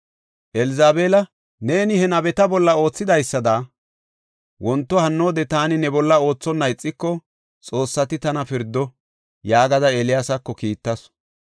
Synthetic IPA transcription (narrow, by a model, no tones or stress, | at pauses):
ʔɛlɪzaːbeːlɐ | ne̞ːnɪhɛnɐbɛt̪ɐbɔlːɐo̞ːt͡sːɪd̪ɐjsːɐd̪aː | wɔnt̪ːɔhɐnːo̞ːd̪ɛt̪aːnɪnɛbɔlːɐo̞ːt͡sːɔnːɐjt͡sʼːɪkːɔ | t͡sʼo̞ːsːɐt̪ɪt̪ɐnɐfɪɾd̪ːɔ | jaːɡɐd̪ɐɛlɪjaːsɐkːɔkiːt̪ːɐs